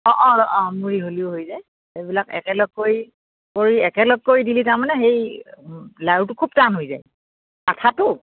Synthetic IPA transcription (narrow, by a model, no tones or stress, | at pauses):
ɔ̃ʔɔ̃ɔʔɔ̃muɹiɦoliʊɦojzaj | ejbilakɛ̰kɛlɔɡ̚kːoj | koɹiɛkɛlɔɡ̚kːojdilitaɹmanɛxej | lautʊkʰub̚tanɦojza̰j | katʰatʊ